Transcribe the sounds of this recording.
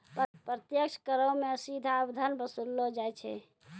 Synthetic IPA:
ppɾət̪jəkʃkəɾəmesid̪ʱabd̪ʱənbəsulːod͡ʒajt͡ʃʰɛ̰

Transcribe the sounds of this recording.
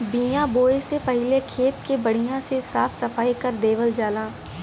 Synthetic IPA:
bijãboːesepɐɦɪlekʰeːt̪kebɐɽ̤ijãsesaːfʰsɐfaːikɐɾd̪eːʋəld͡ʒaːlãː

